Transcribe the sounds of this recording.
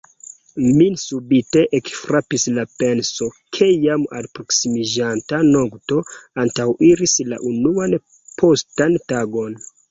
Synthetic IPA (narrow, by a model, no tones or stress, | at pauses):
minsubite̞ʔekfɾapislapensokʰejama̰lpɾoksimid͡ʒantanoɡto̞antawiɾisla̰ʔunuan | pʰostantaɡo̞n